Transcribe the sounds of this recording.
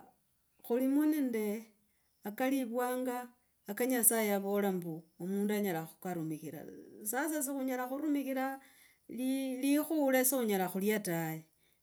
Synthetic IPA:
xulimunende | akaliβwaːŋɡaː | kaɲasajeaβo̞lambuomuːnduaɲalaxu̥kaɾumixiɾa̰sas̬as̬ixuɲalaxuɾumixiɾa | lilixulesixuɲalaxuljataje

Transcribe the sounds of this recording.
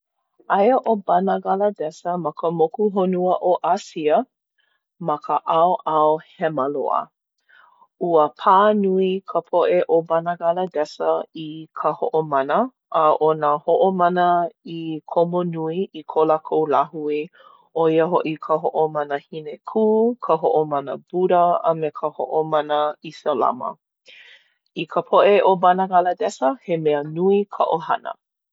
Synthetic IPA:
ʔajəʔobanaɡalədɛsəmɐkʰəmokuɦonuəʔoʔasiə | mɐkʰəʔawʔawhɛməlo̰ə̰ | uəpʰanuikʰəpʰoʔeʔobanaɡalədɛsəikʰəhoʔomanə | ʔəʔonahoʔomanəikʰomonuiikʰolakʰowlahui | oiəɦoʔikʰəɦoʔomanəhinekʰuːkʰəɦoʔomanəb̥uɾəəmekʰəho̰ʔomanəisəla̰mə̰ | ikʰəpʰoʔeʔobanaɡalədɛsəhemeənuikʰəʔohɐ̰nə̰

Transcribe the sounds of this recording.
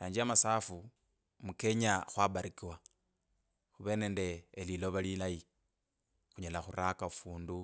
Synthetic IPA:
aːɲd͡ʒiamasaːfu | muke̞ɲaxwaβaɾikiwa | xuβe̞ːne̞ːnde̞ːlilo̞βalilaji | xuɲalaxuɾakaufuːndu

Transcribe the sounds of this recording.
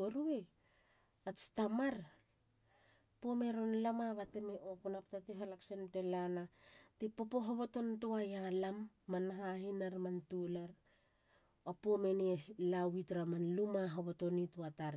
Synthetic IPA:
oɾue | at͡ʃtamaɾ | pome̞ɾonlamaβatemeokunaptateɦalaksentelanatepo̞po̞ɦoβoto̞ntuajalamː | anɦahinaɾmantulaɾ | opomenilawitɾamanlumaɦoβoto̞nituataɾ

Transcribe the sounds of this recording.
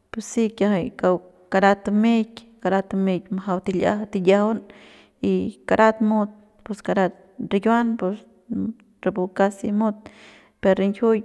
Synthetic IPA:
pusːikʲjaɦajkaw | kaɾat̪mek | kaɾat̪mekmaɦawt̪ilʲa̰ht̪ijahon | ikaɾat̪mud̪̚ | puskaɾat̪ | ɾiɡʲwanpus | ɾebukasimod̪̚ | peɾɾeŋkʲʰuj

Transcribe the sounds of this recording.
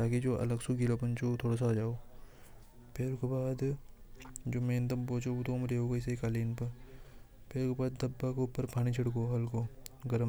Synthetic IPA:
t̪aːkid͡ʒoːʔɐ̰ləɡsuɡilopənt͡ʃot̪ʰoːɽaːs̬aːd͡ʒaːoː | pʰeːɾkebaːd̪ | d͡ʒoːmẽːnd̪ɐmpoːt͡ʃout̪omɾeːokɐɪs̬ekaːliːnpɐɾ | pʰeːɾkebaːd̪ːɐbːakeupːəɾpʰaːñit͡ʃʰɐɽkoɦɐlkoɡɐɾəm

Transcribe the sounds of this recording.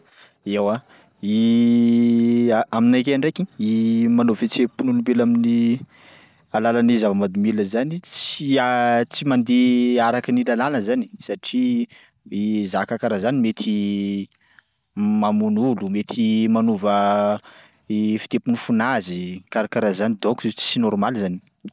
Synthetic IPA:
ewa | i | aminakeɳɖ͡ʐekiimanovet͡sepunulumbelamini | alalanizavəmad̪umiləzanit͡siat͡simand̪eaɾakinilalanəzani̥saʈ͡ʂi | izakakaɾazanimet̪ʰi | mamunulumet̪ʰimanuvə | efi̥t̪epunufunazikaɾakaɾazanid̪okuzit͡si̥t͡sinɔɾmalzani̥

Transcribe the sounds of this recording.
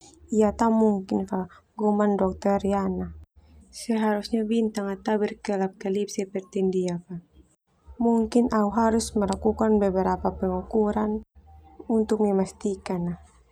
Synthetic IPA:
ijat̪amuŋkinfa | ɡɔmandɔk̚t̪ɛɾianasɛɦaɾusɲabint̪aŋat̪abɛrkɛlap̚kɛlip̚sɛpɛrt̪indiapa | muŋkinʔauɦaɾusmɛlakukanbɛbɛɾapapɛŋukuɾan | unt̪ʊk̚mɛmast̪ikana

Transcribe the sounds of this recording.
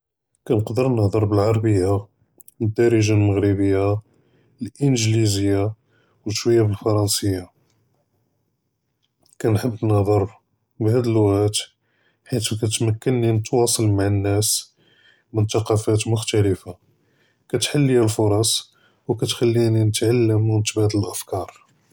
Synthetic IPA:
kænəqd̪əɾnəhd̪ˤɑɾˤbəlʕɑɾˤbəjːa | əd̪ːɑɾəʒalməɣɾibəjːa | lʔənʒlizəjːa | wəʃwəjːabəlfɑɾˤɑnsəjːa | kænħəbːnəhd̪ˤɑɾˤ | bhæd̪əlwæt̪ | ħit̪ukæt̪mækːənːinət̪wɑsˤɑlmaʕənːæs | mənt̪ɑqɑfæt̪mʊxt̪æləfa | kæt̪ħalːihælfʊɾˤɑsˤ | wkæt̪xælːininət̪ʕalːəmwənt̪bæd̪əlʔəfkɑɾˤ

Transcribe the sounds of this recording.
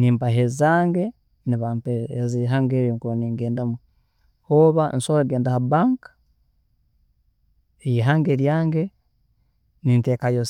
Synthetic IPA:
niːmpaɦezaːŋɡe | niβampeeziɦaːŋɡeɾoŋkuoniŋɡeːndamu | hoːβa̰nsoɾaɡeːndahabaːŋkḁ | ejiɦaːŋɡeɾjaːŋɡe | ninteːkajos

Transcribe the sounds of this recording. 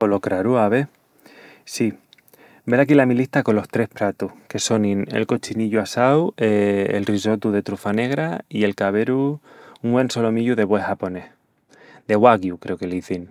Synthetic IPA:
olokɾaɾuaβe | si | be̞lakilamiliht̪ako̞nlo̞ht̪ɾe̞hpɾat̪uhke̞so̞ninḛlko̞t͡ʃiniʎuasawḛːlriso̞t̪uðe̞t̪ɾufane̞ɣ̞ɾaie̞lkaβe̞ɾuŋwe̞nso̞lo̞miʎuðe̞βwehapo̞neh | d̪e̞ɣwaɣjukɾe̞okeliθin

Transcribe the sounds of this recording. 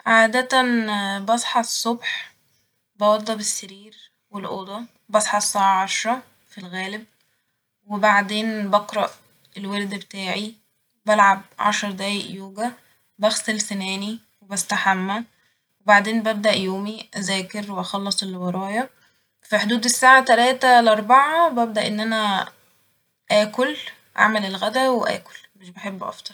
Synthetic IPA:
ʕaːd̪æt̪ænbɑsˤħɑsˤːobħ | bɑwɑd̪ˤːɑbesːæɾiːɾ | welʔoːd̪ˤɑ | bɑsˤħɑsˤːɑːʕɑʕɑʃɾˤɑ | filɣæːlɪb̚ | webaʕd̪eːnbɑqɾˤɑʔ | elweɾd̪bet̪aːʕi | bælʕab̚ʕɑ̰ʃɑɾˤd̪æːjeʔjoːɡæ | bæxsælsænæːni | webæst̪aħamːæ | webaʕd̪eːnbæb̚d̪æʔjoːmiʔæzæːkeɾweʔæxɑlːɑsˤelːwɑɾˤɑːjɑ | fiħod̪uːd̪esːaːʕat̪ælæːt̪æleʔɑɾˤbɑʕɑbæb̚d̪æʔenːʔænæ | ʔæːkol | ʔa̰ʕmælelɣæd̪æweʔæ̰ːko̥lmeʃbeħebːʔɑ̰ft̪ˤɑɾˤ

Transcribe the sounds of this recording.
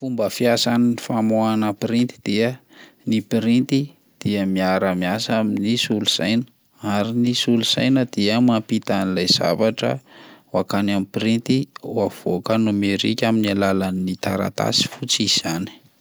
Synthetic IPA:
fumbəfjasaninifamoanəpɾint̪i̥d̪̥iə | nipiɾint̪i | d̪̥iəmiaɾəmiasaminisuluz̥ajnə̥ | aɾinisuluz̥a̰jnəd̪̥iəmampit̪anilajz̥a̰vaʈ͡ʂə̰wakanamipiɾint̪iwav̥okənumeɾḭkʲaminalalanit̪aɾa̰t̪a̰si̥fut͡sizizani̥

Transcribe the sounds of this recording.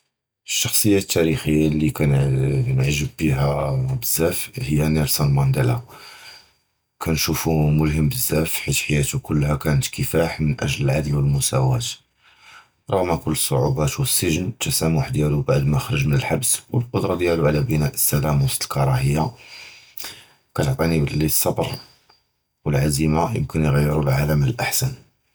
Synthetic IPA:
əʃːɑxsˤəjːat̪ːæɾixəjːalikænnʕʒəbːiɦæbəzːæfhəjːænæɾsɑlmɑnd̪əla | kænʃufumʊlɦəmbəzːæfħit̪ħajæt̪ukʊlːhækænət̪kəfæħmənʔæ̰ʒləlʕad̪əlwəlmʊsæwæt̪ | ɾˤʊɣmækʊlːəsˤːo̰ʕubæt̪wəsːəʒənt̪ːæsæmwaħəd̪jælubaʕd̪mæxɾˤəʒmənəlħabswəlqʊd̪ɾˤɑd̪jæluʕlæbənæʔəsːælæmst̪əlkɑɾˤɑhəjːa | kæt̪oʕt̪ˤinibəlisˤːɑbɾˤ | wəlʕazimajə̰mkənjɣæjːəɾulʕaləmːənəlʔaħsæn

